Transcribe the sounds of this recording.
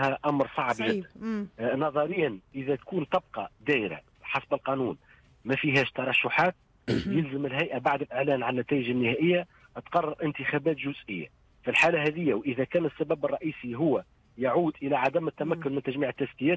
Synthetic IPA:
hæʔamɾsˤɑʕbʒɪd̪ːənnɑðˤɑɾɪjːanʔɪðæt̪kuːnt̪ɑb̚qɑd̪æːʔɪɾæ̰ | ħɑsbəlqɑnuːn | mæfiɦæːʃt̪ɑɾˤɑʃːʊħaːt̪̚ | jɪlzəmɪlɦæjʔæbaʕd̪ɪlʔɪʕlæːnʕalnæt̪æːjɪʒɪnːɪhæːʔɪjːa | t̪qɑrˤːɑɾˤʔɪnt̪əxæːbæːt̪ʒʊzʔɪjːa̰ | filħaːlæɦæðɪjːæwʔɪðækæːnəsːæbæbɑrˤːɑʔiːsiɦʊwːæ | jaʕuːd̪ʔɪlæʕad̪æmɪt̪ːæmækːʊnmɪnt̪æʒmiːʕət̪ːæskɪjæːt̪

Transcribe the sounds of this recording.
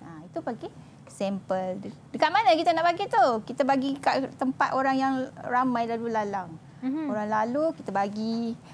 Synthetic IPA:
ait̪upaɡi | sɛmpəldəkat̪̚manãkit̪anaʔbaɡit̪ukit̪abaɡikaʔt̪əmpat̪oɾaŋjaŋramãjlalulalaŋ | oɾaŋlalukit̪abaɡi

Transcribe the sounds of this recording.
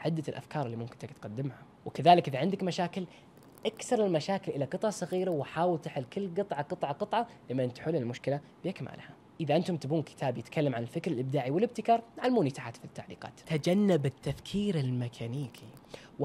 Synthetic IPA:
ʕɪd̪ːalʔa̰fkɑːɾˤɪlːimʊmkɪnt̪akt̪qad̪ːɪmha | wɪkaðaːlɪkʔɪðaʕɪnd̪akmaʃaːkɪl | ʔakθɑɾˤɪlmaʃaːkɪlʔɪlaqɨt̪ˤʕɑsˤɑɣiːɾawɪħaːwɪlt̪aħɪlːkɪlːɡɨt̪ˤʕɑqɨt̪ˤʕɑqɨt̪ˤʕɑlɪmːnt̪ħʊlːɪlmʊʃkɪla | b̥ɪʔakma̰ːlha | ʔɪðaʔɪnt̪ʊmt̪abuːnkɪ̥t̪ʰaːbjɪt̪kʰalːamʕanɪlfɪkɾɪlʔɪb̚d̪aːʕiwɪlɪb̚t̪ɪkɑːɾˤnaʕalmuːnit̪aħat̪fit̪ːaʕlḭːqɑ̰ːt̪t̪ad͡ʒanːabɪt̪ːafkʰiːɾɪlmɪkʰaniːkʰi | w

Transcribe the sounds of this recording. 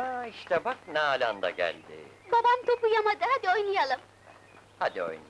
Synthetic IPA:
aiʃt̪ʰɛbak̚nɛːlʲand̪a̰ɟæ̰lʲd̪ḭ | babamt̪ʰo̞pujamad̪ɯɦad̪io̞jnˠɯjalˠɯm | had̪io̞̰jnˠ

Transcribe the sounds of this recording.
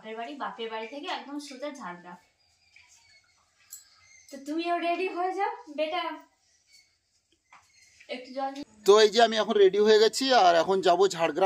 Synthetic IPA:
peɾbaɽibapeɾbaɽit̪ʰekeɛk̚d̪ɔmʃod̪ad͡ʑʱaɽɡɾam | t̪ot̪umioɾeɖioɦoed͡ʑaobeʈa | ek̚ʈud͡ʑɔt̪oejd͡ʑieamiɛkʰonɾeɖioɦojeɡɛt͡ɕʰiaɾɛkʰond͡ʑabod͡ʑʱaɽɡɾa

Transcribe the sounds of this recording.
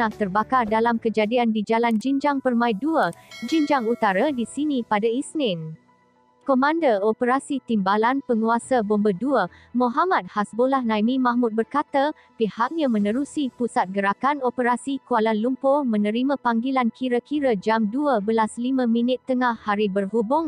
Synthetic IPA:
aht̪ərbakardalamkəd͡ʒadiandid͡ʒaland͡ʒind͡ʒaŋpərmãiduəd͡ʒind͡ʒaŋut̪aɾadisinipadaisnɪn | komãndəopəɾasit̪imbalanpəŋuasabɔmbəduə | moɦamat̪̚hasbolahnãjmĩmãhmʊt̪̚bərkat̪a | pihak̚ɲãmə̃nə̃ɾusipusat̪̚ɡəɾakanopəɾasikualanlumpomə̃nə̃ɾimãpaŋɡilankʰiɾəkʰiɾəd͡ʒamduəbəlaslimə̃mĩnɪt̪ːəŋahːaɾibərɦubʊŋ

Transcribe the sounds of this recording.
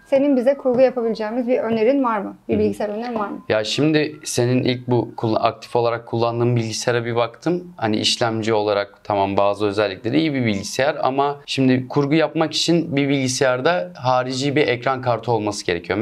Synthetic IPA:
se̞ninbizɛkʰuɾɡujapʰabilʲid͡ʒɛːmizbiøneɾinvaɾmɯbiɾbilʲɟisɛæɾøneɾinvaɾmɯjaʃimd̪ɪse̞ninʔilʲc̚bukʰuːa̰a̰k̚t̪ʰi̥fo̞lˠaɾakʰːulˠːand̪ɯːmbilʲɟiseɾɛbiβakt̪ʰɯmhanḭʔḭʃlʲæmd͡ʒio̞lˠaɾak̚t̪ʰamambaːzɯø̞zælʲːiclʲe̞ɾiijibibilʲɟisejæɾa̰maʃimd̪ɪkʰuɾɡujapmaki̥t͡ʃʰinbibilʲɟisejæɾd̪aɦaːɾid͡ʒiːbiʔɛcɾankʰaɾt̪ʰɯo̞lˠmasɯ̥ɟe̞ɾecʰijo

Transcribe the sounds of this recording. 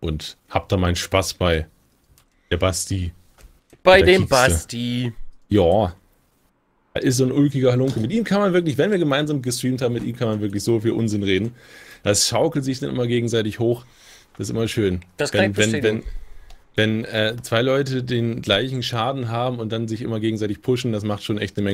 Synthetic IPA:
ʔʊnthaːp̚d̥aːmaɪnənʃpasb̥aɪ | d̥eːɐbasti | b̥aɪdeːbastijaː | a̰ʔɪstz̥oːnʔʊlkɪɡɐalʊŋkəmɪtʔiːmkʰanmanvɪɐklɪçv̥ɛnviːɐɡəmaɪnzaːmɡəstʁ̥iːmthaːbmɪtʔḭːmkʰanmanvɪɐklɪçz̥oːfiːlʔʊ̰nzɪnʁeːdn̩d̥asʃaʊkl̩tz̥ɪçd̥anʔɪmɐɡeːɡŋ̩zaɪtɪçhoːx | d̥asɪsʔɪ̰mɐʃøːnd̥svɛɛnvɛn | vɛnʔɛːt͡sv̥aɪlɔʏtədeːnɡlaɪçŋ̩ʃaːdn̩ɦaːbm̩ʊnt̚d̥anzɪçʔɪ̰mɐɡeːɡŋ̩zaɪtɪçpʰʊʃn̩das̬maχtʃoːnʔɛçtnəmɛŋ

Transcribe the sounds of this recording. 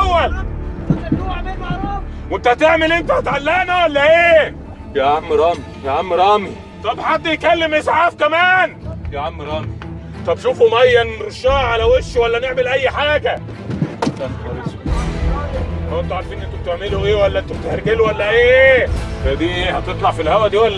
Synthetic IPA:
wːæl | melwent̪æt̪eʕmelʔent̪æhæt̪ʕalːenæwælːæʔeː | baʕamːɾˤɑːmijeʕamːɾˤɑːmi | t̪ˤɑbħad̪ːjkælːemʔesʕaːfkæmæːnbaʕamːɾˤɑːmi | t̪ˤɑbʃuːfumæjːænɾʃɑːʕalæweʃwælːæneʕmelʔæjːħaːɡæ | t̪ænkɑɾes | hʔent̪uʕaɾˤfiːnʔent̪obt̪eʕmeluʔeːwælːæʔent̪ob̚t̪ehæɾˤɡeluwælːæʔeːfæd̪iːʔeːhɑt̪et̪ˤlɑʕfilhæwæd̪iːwælː

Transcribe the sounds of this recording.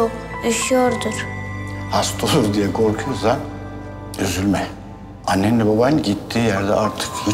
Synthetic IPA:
oyʃyjoɾd̪uɾ̥hast̪ʰolˠuɾd̪ijɛkʰo̞ɾkʰujosa | yzylʲmɛ | anːɛnːʲɛbabanɟit̪ʰːiːjæɾd̪ɛaɾt̪ʰɯ̥kju

